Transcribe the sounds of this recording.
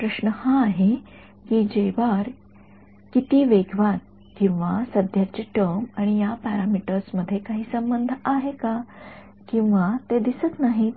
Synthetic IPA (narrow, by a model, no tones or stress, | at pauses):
pɾəɕnəhãːɦe | kiːd͡ʑejʋaɾ | kit̪iːʋeɡʋat̪̚ | kĩw̃ʋasəd̪ʱjat͡ɕeʈəmaɽ̃ijapɛɾamiʈəɾsməd̪ʱːjekaɦiːsəmbənd̪ʱaɦeka | kĩw̃ʋat̪ed̪isət̪naɦi